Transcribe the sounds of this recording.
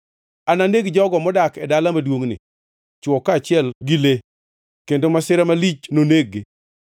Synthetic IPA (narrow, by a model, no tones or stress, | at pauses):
ananeɡd͡ʒɔɡɔmɔdakɛdalamadwoŋnɪ̰ | t͡ʃwɔkːat͡ʃɪɛlɡɪle | kendomasɪɾamalit͡ʃnoneɡːe